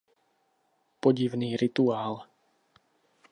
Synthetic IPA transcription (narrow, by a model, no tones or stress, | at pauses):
pɔɟiʋniːɾit̪uaːl